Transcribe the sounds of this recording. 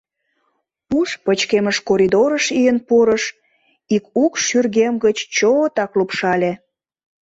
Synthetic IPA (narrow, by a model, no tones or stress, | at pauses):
uʃpət͡ɕkeməʃkoɾʲid̪oɾəʃijənpuɾəʃ | ikukʃyrɣemɡət͡ɕt͡ɕot̪ɑklupʃɑlʲe